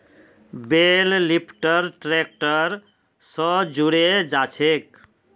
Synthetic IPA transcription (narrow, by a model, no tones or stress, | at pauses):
bellipʰʈəɾʈɾek̚ʈəɾ | sɔd͡ʒuɽed͡ʒat͡ʃʰek̚